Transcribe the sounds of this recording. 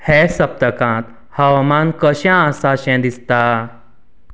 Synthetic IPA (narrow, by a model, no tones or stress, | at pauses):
hɛsəp̚t̪əkãt̪ | həʋamankəɕãasaɕɛ̃d̪ist̪a